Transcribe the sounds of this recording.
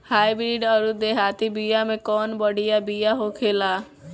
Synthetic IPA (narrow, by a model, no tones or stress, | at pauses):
hajbɾiɖəɾud̪eɦaːt̪ibijamẽkɔnbəɽijabijaɦokʰela